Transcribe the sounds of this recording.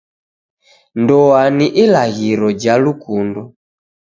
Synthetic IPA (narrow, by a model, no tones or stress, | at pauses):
ndɔaniʔilaɣiɾɔd͡ʒalukundɔ